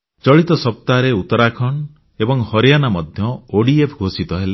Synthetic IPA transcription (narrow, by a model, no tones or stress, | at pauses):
t͡ʃɔɭit̪ɔsɔp̚t̪aɾeut̪ɔɾakʰɔɳ | ebɔŋhɔɾjanamɔd̪ʱjɔoɽiepʰɡʱosit̪ɔɦele